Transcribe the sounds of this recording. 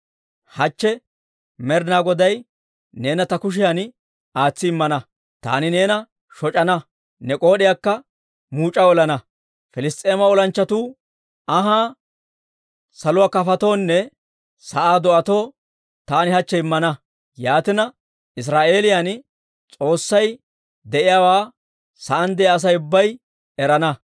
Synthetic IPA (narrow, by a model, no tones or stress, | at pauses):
hɐt͡ʃːɛ | mɛɾnaːɡɔd̪ɐj | ne̞ːnɐt̪ɐkʊʃ̬ɪjaːn | aːt͡sːɪɪmːɐnɐ | t̪a̰ːnɪne̞ːnɐ | ʃɔt͡ʃʼɐnɐ | nɛkʼo̞ːɗɪjakːɐ | muːt͡ʃʼːɐɔlɐnɐ | fɪlɪst̪ʼe̞ːmɐɔlɐnt͡ʃːɐt̪uː | ɐɦaː | sɐlʊwaːkɐfɐt̪o̞ːnːɛ | sɐʔaːd̪ɔʔɐt̪o̞ː | t̪aːnɪhɐt͡ʃːɛɪmːɐnɐ | jaːt̪ɪnɐ | ɪs̬ɾaːʔe̞ːlɪjan | t͡sʼo̞ːsːɐj | d̪ɛʔɪjaːwaː | sɐʔɐnd̪ɛɐs̬ɐjʊbːɐj | ɛɾɐnɐ